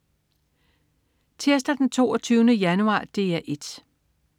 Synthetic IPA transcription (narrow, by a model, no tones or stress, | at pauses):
t͡sʰeɐs̬d̥ɐd̥ent͡sʰo̝̰ːɒt͡sʰyːʊnəjænuɑ̰̈ːd̥e̝ːæʔe̝d̥